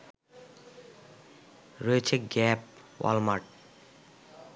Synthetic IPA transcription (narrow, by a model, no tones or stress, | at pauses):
ɾoet͡ɕʰeɡɛp | wa̰lmaʈ̚